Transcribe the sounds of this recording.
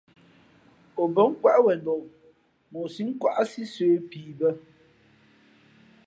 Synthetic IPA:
o˨bə˨˦ŋ̩˦kwa˦ʔwɛ˨ndɔ˨ʔ | mo˨si˦ŋ̩˦kwa˦ʔa˦si˦seː˨˦piː˨bə˦

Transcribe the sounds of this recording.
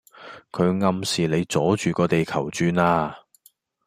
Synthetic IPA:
kʰɵ˨˧ɥŋɐ˧msiː˨le˨˧jt͡sɔː˨˥t͡ʃyː˨˩kɔː˧t̪e˨jkʰɐ˨˩wt͡ʃyː˧naː˧

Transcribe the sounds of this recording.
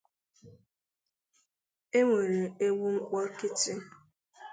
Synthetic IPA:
e˦ŋʷe˨ɾe˨e˦wu˦ŋ̩˦k͡pɔ˦kɪ˦tɪ˦

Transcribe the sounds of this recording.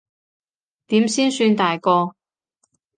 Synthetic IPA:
t̪iː˨˥msiː˥nsyː˧nt̪aː˨jkɔː˧

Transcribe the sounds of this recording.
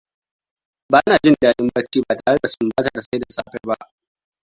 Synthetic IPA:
baː˦ʔnaː˨d͡ʒɪ˦ndaː˦ʔɪ˦mbɐ˦t͡ʃːiː˦baː˨taː˨ɽe˦da˨sʊ˨mbaː˦tɐ˨rsa˦jda˨saː˦ɸɛ˦ba˦ʔ

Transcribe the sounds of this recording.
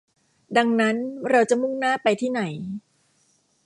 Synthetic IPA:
da˧ŋna˦˥nɾa˧wt͡ɕa˨˩mu˥˩ŋnaː˥˩pa˧jt̪ʰiː˥˩na˩˦j

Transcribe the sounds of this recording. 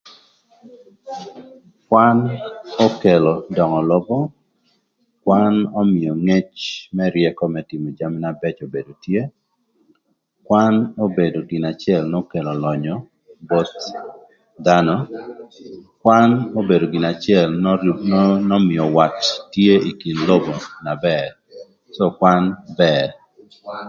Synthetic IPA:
kwanɔ˦ke˨lɔ˨dɔ˨ŋɔ˨lɔ˦bɔ˦ | kwanɔ˦mɪ˨ɔ˨ŋe˦t͡ʃmɛ˦ɾjɛ˦kɔ˦mɛtɪ˨mɔ˨d͡ʒamɪ˦nabɛ˦t͡ʃo˨be˨do˨tje˦ | kwano˦be˨do˨ɡi˨na˨t͡ʃɪɛlno˦ke˨lɔ˨lɔ˨ɲɔ | bɔ˦t̪̚ | d̪a˦nɔ | kwano˦be˨do˨ɡi˨na˨t͡ʃɪɛln | nɔ˦mɪ˨ɔ˨wa˨tːje˦i˨ki˨nlo˦bo˨na˨bɛɾ | sɔ˦kwa˦nbɛɾ

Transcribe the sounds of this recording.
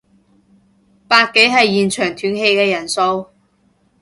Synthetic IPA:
paː˧t̚ke˨˥jɦɐ˨jːiː˨˩nt͡ʃʰœː˨˩ŋt̪ʰyː˨˥ŋɦe˧jkɛː˧jɐ˨˩nso˧w

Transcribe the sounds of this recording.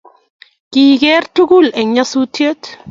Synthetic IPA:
ki˨kɛ˦rtu˦ku˦˨lɛ˨ɲa˦su˦tje˦t

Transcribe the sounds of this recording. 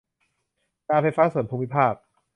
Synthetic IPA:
kaː˧nfa˧jfaː˦˥su˨˩˦npʰuː˧mi˥pʰaː˥˩p̚

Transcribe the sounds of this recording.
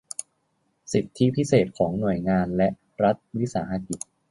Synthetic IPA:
si˨˩t̪ʰːi˦˥pʰi˦˥seː˨˩t̪̚kʰɔː˩˦ŋnu˨˩əjŋaː˧nlɛ˦˥ʔ | ɾa˦˥t̪̚wi˦˥saː˩˦ha˧ki˨˩t̪̚

